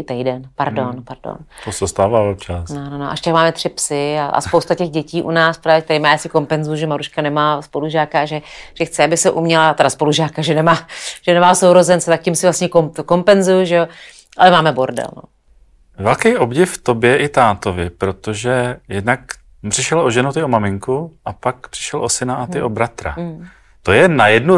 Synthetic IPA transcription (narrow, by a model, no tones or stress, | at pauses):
ɪt̪ɛjdɛnpaɾdo̞npaɾdo̰nt̪osɛst̪aːvaːopt͡ʃasnnonoʔaʃt̪akmaːmɛt̪r̥ɪpsɪaʔa̰spo̞wst̪acɛɣɟɛciːʔunaːspɾaːvjɛk̚t̪ɛɾiːmajaːsɪko̞mpɛnzujuʒɛmaɾuʃkanɛmaːspo̞luʒaːkaaʒɛʒ̥ɛxt͡sɪabɪsɛʔumɲɛlat̪ɛdaspo̞luʒaːkaʒɛnɛmaːʒ̥ɛnɛmaːsowɾo̞zɛnt͡sɛt̪ak̚cɪmsɪvlast̪ɲɛkomt̪kompɛnzujʊʒɛo | ʔalɛmaːmɛboɾdɛ̰lno̰ | vɛlkɛjʔobɟɪfft̪objɛʔɪt̪aːt̪ovɪpɾo̞t̪oʒɛjɛdnak | pr̥ɪʃɛlʔoʒɛnut̪ɪomamɪŋkuʔapak̚pr̥ɪ̥ʃɛlʔosɪnaʔat̪ɪʔobɾat̪ɾa̰ | t̪ojɛnajɛdnu